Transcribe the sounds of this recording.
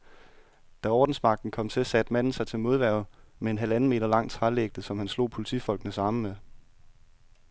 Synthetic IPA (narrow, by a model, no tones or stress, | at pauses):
d̥æɒːd̥n̩smɑ̈ɡ̥̚d̥n̩kʰɒ̽m̰t͡sʰe̝sæd̥mæn̰n̩sɑ̈ɪt͡sʰe̝lmo̝ð̞ˠʋæɐ̰ð̩ˠmee̝nɦælæn̩me̝̰ːɾɐlɑ̈ŋ̰t͡sʰʁɑleɡ̥̚d̥əsɒ̽mhænslo̝̰ːpʰo̝lit͡sʰḭfɒ̽l̰ɡ̥nəsɑ̈məme